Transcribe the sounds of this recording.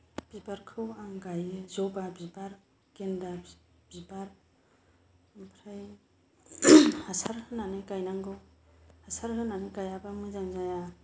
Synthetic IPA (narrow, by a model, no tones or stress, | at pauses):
b̥ibaɾkʰɯwaŋɡajɯzɔwbabibaɾ | kenda | b̥ibaɾ | pʰɾaj | hasaɾhɯnanɯkajnaŋɡɔhasaɾɦɯnanɯkajabamɯzaŋzaja